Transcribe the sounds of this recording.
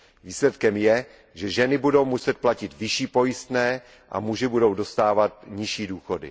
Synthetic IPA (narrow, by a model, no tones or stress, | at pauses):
viːslɛt̪kɛmjɛ | ʒɛʒɛnɪbudo̞wmusɛt̪̚placɪt̪vɪʃiːpo̞jɪst̪nɛː | ʔa̰muʒɪbudo̞wdo̞st̪aːvat̪ɲɪʃiːduːxo̞dɪ̰